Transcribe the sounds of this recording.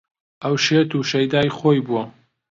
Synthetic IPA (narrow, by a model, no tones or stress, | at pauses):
ʔɐwʃet̪uʃɐjd̪aːjxoːjbuwɐ